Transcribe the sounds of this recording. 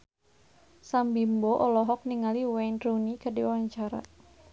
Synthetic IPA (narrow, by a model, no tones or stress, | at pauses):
sambimbɔʔɔlɔɦɔk̚niŋaliwɛndɾunikadiwaɲt͡ʃaɾa̰